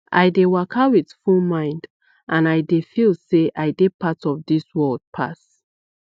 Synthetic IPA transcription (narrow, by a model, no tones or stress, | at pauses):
ʔa̰jdewakʰawiθfulmãɪ̃nd | ʔãnajdefilˠseʔajdepatɔvdiswɜld̥̚pʰa̰s